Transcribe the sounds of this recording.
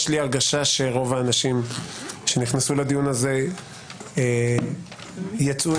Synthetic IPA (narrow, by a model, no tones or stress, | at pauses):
ʃliaʁɡaʃaʃe̞ʁo̞vaːnaʃimʃe̞niχnasulad̪ijunaze̞ | jat͡su